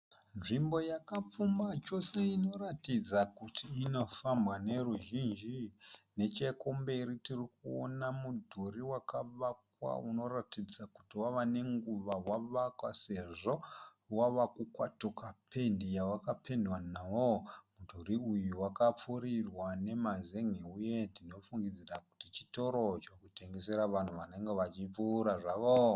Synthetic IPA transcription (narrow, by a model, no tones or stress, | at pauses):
nʐimbo̞jakap͡fumbat͡ʃo̞se̞ino̞ratid͡zakutʰiːno̞fambwane̞ruʒind͡ʒine̞t͡ʃeko̞mbe̞ɾitirikuo̰namudʱoɾiwakaʋak̚wa̰uno̞ratid͡zaku̥tiwaʋane̞ŋɡuʋawaʋakwase̞ʐo̞ | waʋakukwatokapʰe̞ndijawakapʰe̞ndwanaʋomudʱoɾiujuwakap͡fuɾirwane̞mazeŋeujedino̞fuŋɡid͡zerakutit͡ʃi̥to̞ɾo̞t͡ʃokute̞ŋɡe̞se̞ɾaʋan̤uʋane̞ŋɡe̞ʋat͡ʃip͡fuːɾaʐaːʋo